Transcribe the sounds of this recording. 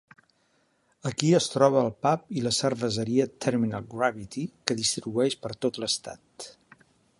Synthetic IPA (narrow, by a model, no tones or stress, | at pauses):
əkiəst̪ɾɔβəːlˠpap̚iləsərβəzəɾiət̪ʰɛɾminalˠɡɾaβit̪ikəðist̪ɾiβuɛʃpəɾt̪ot̪ləst̪a̰t̪